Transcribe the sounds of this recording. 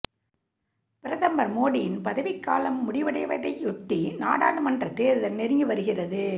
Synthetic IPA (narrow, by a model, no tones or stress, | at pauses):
pɪɾɐðɐmbɐɾmoːɽɪjɪnpɐðɐʋɪkːa̰ːlɐmːʊɽɪʋɐɽɐɪʋɐɽɐɪʔɔʈːina̰ːɽaːɽɯmɐndrɐt̪eːɾɯðɐlnɛɾɯŋɡɯʋɐɾɯɣɪrɐðɯ